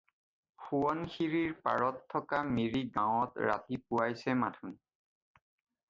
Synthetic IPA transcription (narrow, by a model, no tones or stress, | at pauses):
xuɔnxiɹiɹpa̰ɹɔtʰːɔkamiɹiɡãwɔtɹa̰tipuwajsɛmatʰun